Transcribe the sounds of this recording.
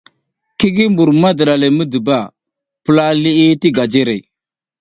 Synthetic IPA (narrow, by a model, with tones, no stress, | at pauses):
ki˦ɡi˦mbu˨ɾma˦də˨ɗa˨le˨mə˦də˨ba˦˨ | pə˦˨la˦li˦i˦ti˦ɡa˨d͡ʒe˦ɾe˨